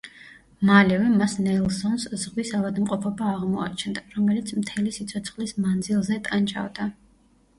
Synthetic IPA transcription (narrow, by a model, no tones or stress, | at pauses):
malɛvɛmasnɛlˠsɔnszʁwisavad̪mqʼɔpʰɔbaːʁmɔa̰t͡ʃʰɛnd̪aɾɔmɛlit̪sʰmt̪ʰɛlisit̪sʰɔt̪sʰχlismand̪zilˠzɛt̪ʼant͡ʃʼa̰vd̪a